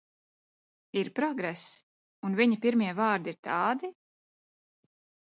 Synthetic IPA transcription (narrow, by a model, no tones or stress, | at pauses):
iɾpɾɔɡɾɛs | unviɲipiɾmiɛvaːɾd̪iɾt̪ɑːd̪i